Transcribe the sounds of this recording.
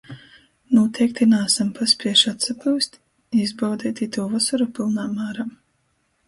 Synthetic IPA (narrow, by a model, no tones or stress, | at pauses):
nuɔt̪ʰɛjk̚t̪inaːsampaspiɛʃat̪sapuwst̪ | izbawd̪iːt̪it̪uːvasaɾupilˠnaːmaːɾaː